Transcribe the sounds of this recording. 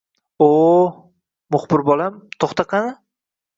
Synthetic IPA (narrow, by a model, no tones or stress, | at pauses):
o | mʊχbɪɾbɒlamt̪ʰoχt̪ɑqʰɑnɪ